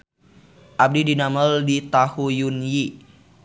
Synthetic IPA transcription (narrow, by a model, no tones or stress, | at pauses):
ʔab̚didinaməldit̪ahujunji